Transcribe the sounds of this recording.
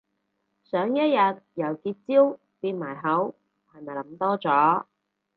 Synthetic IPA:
sœː˨˥ŋjɐ˥t̚jɐ˨t̚jɐ˨˩wkiː˧t̚t͡siː˥w | piː˧n̚maː˨˩jɦɐ˨˥w | haː˨˩nɐ˨˩lɐ˨˧˥mt̪ɔː˥t͡sɔː˨˥

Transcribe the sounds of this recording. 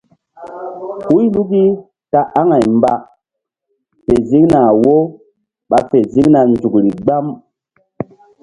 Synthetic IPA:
hu˦jlu˦ki˦ | ta˦ʔa˦ŋa˨jmba˨ | fe˨zi˦ŋna˨wo˦ | ɓa˨fe˨zi˦ŋna˨nd͡zu˨kɾi˨ɡ͡ba˦m

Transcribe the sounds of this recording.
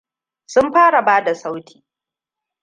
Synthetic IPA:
sʊ˦mɸaː˦ɽa˨baː˦da˨sa˦wtʰi̥ː˨

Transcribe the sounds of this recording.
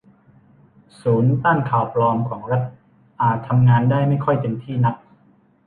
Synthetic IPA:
suː˩˦nt̪aː˥˩nkʰaː˨˩wplɔː˧mkʰɔː˩˦ŋɾa˦˥t̪̚ | ʔaː˨˩t̪ʰːa˧mŋaː˧ndaː˥˩jma˥˩jkʰɔ˥˩jpe˧nt̪ʰiː˥˩na˦˥k̚

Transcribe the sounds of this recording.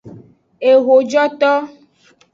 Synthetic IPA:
e˨ɣo˨d͡ʒɔ˦t̪ɔ˦

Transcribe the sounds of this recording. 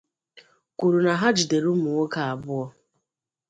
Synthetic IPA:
ku˨ɾu˨na˨ɦa˦d͡ʒi˨de˨ɾu˦mʊ˨o˦ka˨a˨bʊ˦ɔ˦

